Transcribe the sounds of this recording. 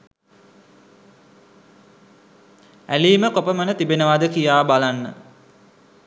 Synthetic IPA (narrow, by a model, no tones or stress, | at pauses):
æliːməkopəmənət̪ibenəʋad̪əkijaːbalanːə̰